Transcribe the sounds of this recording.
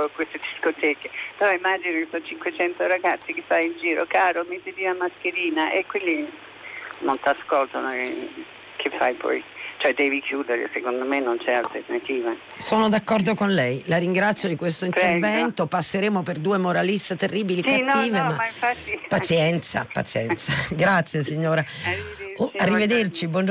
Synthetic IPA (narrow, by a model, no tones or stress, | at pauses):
kwest̪ed̪iskot̪ɛːkepɾɔimad͡ʒinokesɔnt͡ʃiŋkwet͡ʃɛnt̪oɾaɡat̪sːikefajind͡ʒiːɾo̰kaːɾomet̪ːed̪inamaskeɾiːnaʔekwilːi | nont̪askolt̪ono | kʰefːajpʰɔ̰jt͡ʃoɛd̪ɛːvikʰjuːd̪eɾḛsekond̪omenːont͡ʃɛalt̪ernat̪iːva | soːnod̪akːɔrd̪okonlɛjlaɾiŋɡɾat̪sːjod̪ikwest̪oinpɾervɛnt̪opasːeɾeːmoperd̪uːemoɾalist̪et̪erːiːbiliskatnːiːvemaaĩɱfat̪ːipːat̪sjɛnt̪sa̰pa̰t̪sjɛnt̪saɡɾat̪sːjesiɲːoːɾa | oarːived̪ert͡ʃibwɔnd͡ʒ